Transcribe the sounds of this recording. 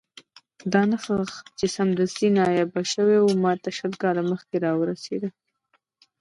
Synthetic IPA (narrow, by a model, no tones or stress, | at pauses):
d̪ɑnaxəxt͡ʃesamd̪ast̪inɑjabaʃəwewumɑt̪aʃəlkɑlaməxkeɾɑwəɾasḛd̪ə